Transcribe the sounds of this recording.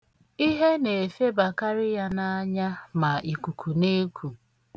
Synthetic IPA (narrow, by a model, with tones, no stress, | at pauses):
i˦ɦe˦ne˨e˨fe˦ba˨ka˦ɾɪ˦ja˦na˦ɲa˦ma˨i˨ku˨kʰu˨ne˦kʷʰu˨